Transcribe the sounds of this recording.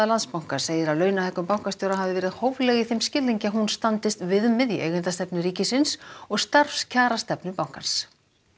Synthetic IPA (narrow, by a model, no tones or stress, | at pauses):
alant̪spawŋ̥kaɾ̥seːjɪɾawlœːɥnahɛkʏmpawŋ̥kast̪jowɾaɦavðɪvɛːɾɪðhoːwvlɛɣiθejmscɪlːiɲcɪaɦunst̪ant̪ɪst̪vɪðʏmːɛðiʔḛjɣʏnt̪ast̪ɛpnʏɾiːcɪsɪnsɔɣst̪arfscʰaːɾast̪ɛpnʏpawŋ̥kans